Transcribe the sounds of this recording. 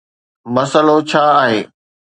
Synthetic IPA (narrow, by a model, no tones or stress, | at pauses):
mɐsəlot͡ɕʰaːaːɦḛː